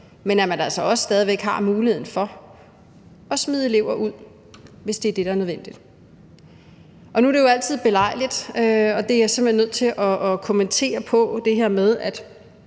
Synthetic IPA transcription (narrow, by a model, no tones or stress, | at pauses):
menæmænælsɒ̽ɒ̽sə̥sd̥ɛðˠiʋeɡ̥hɑ̈muːlihe̝ð̰ˠn̩fɒ̽ | ɒ̽smið̞ˠele̝ʊ̰ɐʔuð̞̰ˠ | ʋe̝sd̥e̝æɐd̥e̝ɾ̥ææɐnøðˠʋen̰d̥id̥ | ʔɒ̽nuæɾ̥e̝jo̝æl̰t͡sʰið̞̰ˠb̥e̝lɑ̈ɪ̰lid̥øɒ̽d̥e̝æjɑsem̥̩enːøð̞̰ˠt͡sʰe̝lʔɒ̽kʰo̝ment͡sʰe̝̰ːɐpʰɒ̽d̥e̝ɦeɐ̰með̞ˠæd̥